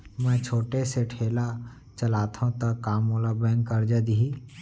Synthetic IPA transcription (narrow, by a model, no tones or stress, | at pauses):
mɛ̃t͡ʃʰoːʈeseʈʰeːla | t͡ʃəlaːt̪ɦũt̪əkːaːmoːlabɛ̃ːŋkkːəɾd͡ʒəd̪ii